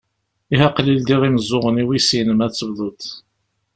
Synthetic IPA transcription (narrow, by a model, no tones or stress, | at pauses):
iɦæqlild̪iʁiməzˤːʊʁəniwisinəmæt͡sːəbðˤʊt̪